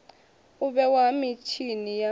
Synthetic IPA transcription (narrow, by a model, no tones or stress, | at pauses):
uɓɛwamit͡ʃʰinija